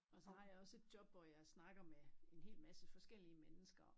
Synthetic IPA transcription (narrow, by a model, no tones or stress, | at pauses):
ɒ̽sɒ̽hɑ̈jɑ̈ɒ̽se̝d̥jɒ̽b̥ʋɒjɑ̈ɪsnɑ̈ɡ̥ɐmee̝nɦe̝̰ːlmæsəfɒ̽sɡ̥el̰iəmenəsɡ̥ɐ